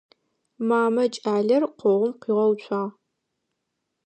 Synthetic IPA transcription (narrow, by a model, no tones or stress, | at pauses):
maːmɐt͡ʃʼaːɮɐrqʷɔʁʷʊmqiːʁɐwt͡ʃʷʰʼɑː